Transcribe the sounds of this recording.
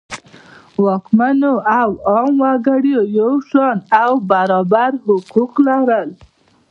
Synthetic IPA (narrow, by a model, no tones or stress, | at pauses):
wɑkmanoawɑmwaɡaɽjojawʃɑnawbaɾɑbaɾhʊquqlaɾəl